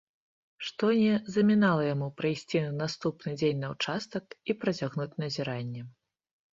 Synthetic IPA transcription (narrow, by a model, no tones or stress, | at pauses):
ʂt̪ɔnʲɛzɐmʲinalˠɐjamupɾɐjsʲt͡sʲinast̪upnɨd͡zʲenʲnɐwt͡ʂast̪ɐkipɾɐt͡sʲaɣnut͡sʲnɐzʲiɾanʲːɛ